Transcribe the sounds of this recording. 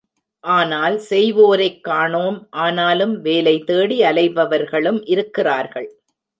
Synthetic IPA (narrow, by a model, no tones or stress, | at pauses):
ʔaːnaːlsɛjʋoːɾɐɪkːaːɳoːmʔaːnaːlɯmʋeːlɐɪt̪eːɽiɐlɐɪʋɐʋɐɾɣɐɭɯmʔɪɾɯkːɪraːɾɣɐɭ